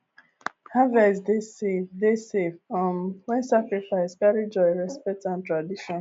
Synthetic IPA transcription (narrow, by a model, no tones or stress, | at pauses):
havɛsdesevdesevɔ̃mwɛ̃nsakɾifaɪskaɾid͡ʒɔɪɹɛspɛk̚tãntɹadiʃɔ̃n